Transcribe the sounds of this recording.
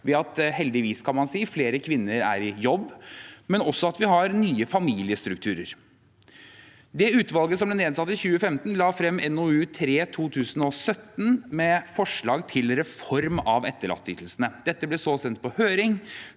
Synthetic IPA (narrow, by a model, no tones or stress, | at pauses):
ʋɛɑt̪hɛld̪ɪʋiːskʰɑnmɑnsiːfleːɾəkʰʋɪnːəɾæ̰ɾɪjɔbːmɛnɔsɔɑt̪ʋɪɦɑɾnyːəfɑmiːlɪəst̪ɾʉkt̪ʰʉːɾə̰ɾ | d̪ɛʉːt̪ʋɑlɡəsɔmblɛneːd̪sɑt̪ːəçʉːəfɛmt̪nlɑːfɾɛmːɛnɔʉːt̪ʰɾeːt̪ʰuːt̪ʰʉːsənɔsœt̪ːn̩mɛfɔʂɭɑːɡt̪ʰɪlɾɛfɔɾmɑʋɛt̪ːəɭɑ̰t̪ʰːʏ̰ːt̪əl̩snəd̪̥ɛt̪ːəblɛsoːsɛnt̪̚pʰɔhøːɾɪŋ